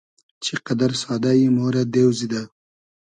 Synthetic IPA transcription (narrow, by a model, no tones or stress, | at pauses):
t͡ʃʰiqad̪aɾsɑːd̪ajimoːɾad̪eːwzid̪a